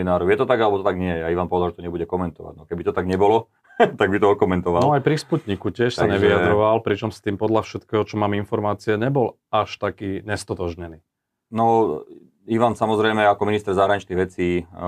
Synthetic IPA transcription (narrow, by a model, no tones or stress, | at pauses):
inaːɾɔjɛt̪ɔt̪aɡalɛbɔt̪ɔt̪aɡɲɪɛjɛaiʋanpɔʋɛd̪alʒɛt̪ɔɲɛbuɟɛkɔmɛnt̪ɔʋa̰ɟnɔkɛbit̪ɔt̪aɡɲɛbɔlɔ | t̪aɡ̚bit̪ɔɔkɔmɛnt̪ɔʋalnɔajpɾisput̪ɲikucɪɛʃsaɲɛʋijad̪ɾɔʋalpɾit͡ʃɔmst̪iːmpɔd̪lʎafʃɛt̪kɛːɦɔt͡ʃɔmaːminfɔɾmaːt͡siɛɲɛbɔl | aʃt̪akiːɲɛst̪ɔt̪ɔʒɲɛniː | nɔ | iʋansamɔzɾɛjmɛakɔminist̪ɛɾzaɦɾaɲit͡ʃniɣʋɛt͡siː